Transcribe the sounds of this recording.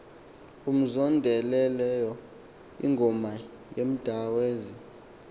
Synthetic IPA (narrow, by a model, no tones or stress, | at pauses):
um̩zɔndʱɛlɛlɛjɔ | ḭŋɡʱɔma | jem̩d̥ʱaweːzi